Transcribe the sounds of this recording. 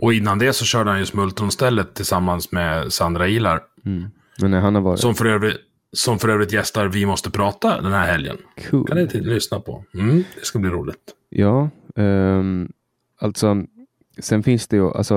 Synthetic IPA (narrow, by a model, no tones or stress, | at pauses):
ʔɔɪnːand̪ɛsɔɕœːɖəhanjɵsmɵlt̪ɔnst̪ɛlːət̪ʰːɪlsamːansmɛsand̪ɾaiːla̰ɾ | ɛnæɦanhaɾvɑːɾɪssɔmfœɾøːvɾɪ | sɔmfœɾøːvɾɪt̪jɛst̪aɾvɪmɔst̪əpʰɾɑːt̪ad̪ɛnhæɾhɛljə̰nkʰʉ̰ːkanɪt̪ʰlʏsnapʰɔ̰m̩d̪ɛskabliːɾṵːlɪ̰ɡt̪ | jɑːɛ | alt̪sɔ | sɛnfɪnsd̪ɛjʊʔa̰lsɔ